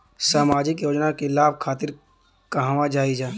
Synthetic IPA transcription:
saːmaːd͡ʒɪkjoːd͡ʒnakelaːb̚ʱkʰaːt̪ɪɾ | kaɦãʋad͡ʒaːid͡ʒaː

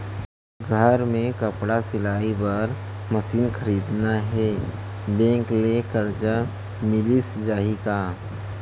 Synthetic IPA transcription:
ɡʱəɾmẽkəpɽasɪlaːibəɾ | məsiːnxʰɐɾiːd̪naɦɛː | bɛ̃ːŋklekəɾd͡ʒa | mɪlisd͡ʒaːɦika

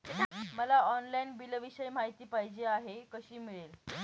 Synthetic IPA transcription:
məlaɔnlainbilʋiɕəjm̤aɦjt̪iːpaɦid͡ʑeaɦekəɕiːmiɭel

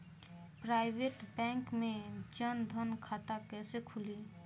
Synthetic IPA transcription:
pɾaːɪweːʈbɛ̃ːŋkmẽd͡ʒənd̪ʱənkʰaːt̪akɛːsekʰʊliː

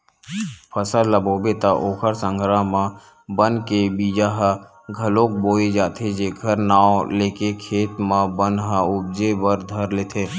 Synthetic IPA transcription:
pʰəsəlːəboːbet̪aʔoːkʰəɾsə̃ŋɡʱɾamã | bənkebiːd͡ʒaɦə | ɡʱəlõːk̚boːed͡ʒaːt̪ʰed͡ʒeːɡʰʱəɾnaːoleːkekʰeːt̪mãbənɦəʊb̚d͡ʒebəɾd̪ʱəɾleːt̪ʰeː

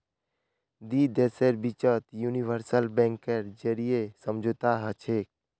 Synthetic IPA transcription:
d̪id̪eseɾbit͡ʃət̪juniʋəɾsəlbɛ̃ŋkəɾd͡ʒəɾijesəmd͡ʒʱət̪aɦət͡ʃʰek̚

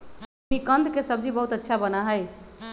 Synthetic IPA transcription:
ikənd̪ʱkesəbd͡ʒibəɦut̪ətːʃʰabənaɦəj

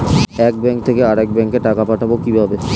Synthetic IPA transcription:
ɛk̚bɛŋk̚t̪ʰekeaɾɛk̚bɛŋkeʈakapaʈʰabokibʱabe

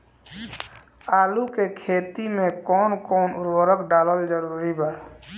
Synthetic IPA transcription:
aːlukekʰeːt̪imẽkɔːnkɔːnʊɾwəɾəkɖaːləld͡ʒəɾuːɾibaː

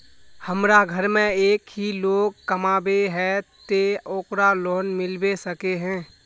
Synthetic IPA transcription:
həmɾaɡʱəɾmẽeːkɦiloːɡ̚kəmaːbeɦɛt̪eoːkɾaloːnmɪlbesəkeɦɛ̃ː

